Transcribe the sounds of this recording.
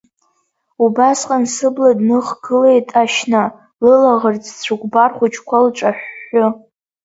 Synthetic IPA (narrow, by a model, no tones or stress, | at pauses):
ubasqʼansɨbladnɨχɡɨlejtʼaʃna | lɨlaʁərt͡sʰʼt͡sʷʰɨɡʷbarχʷʊt͡ʃʰkʷʰalʈ͡ʂʼaħʷːʊ